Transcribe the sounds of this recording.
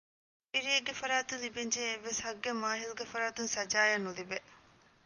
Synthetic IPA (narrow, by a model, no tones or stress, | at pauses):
piɾieɡefɐɾaːt̪ulibeɲd͡ʒeːʋːeshɐɡːemaːɦilɡefɐɾaːt̪unsɐd͡ʒaːjɐnːulibe